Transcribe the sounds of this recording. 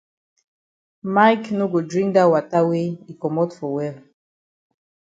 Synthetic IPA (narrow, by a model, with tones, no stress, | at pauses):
ma˦jkno˦ɡo˨dɹĩŋk̚da˦wa˨ta˦wei˨kɔ˨mɔtfɔ˨wɛl